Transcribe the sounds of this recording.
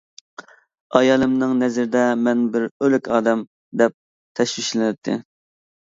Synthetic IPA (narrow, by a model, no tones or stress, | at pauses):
ɑjɑːlˠɨmnɨŋnɛzɪɾɪd̪ɛmɛnbɪɾølykʲʰɑːd̪ɛm | d̪ɛp̚ | t̪ʰɛʃwiʃlɪnɪp̚t̪ʰːɪ̰